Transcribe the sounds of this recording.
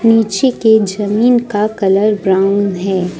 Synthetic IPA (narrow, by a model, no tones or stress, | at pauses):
niːt͡ʃeked͡ʒɐmiːnkakɐləɾbɾãːʊnɦɛː